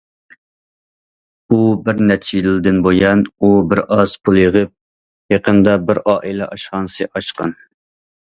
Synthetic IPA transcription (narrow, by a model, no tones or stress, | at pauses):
ubɪɾnɛt͡ʃʰijd̪ɪld̪ɪnbojɑnubɪɾʔɑz̥pʰulˠjəʁəp̚ | jeqʰənd̪ɑbɪɾɑːʔilɛʔɑʃχɑnsɨʔɑʃqɑ̰n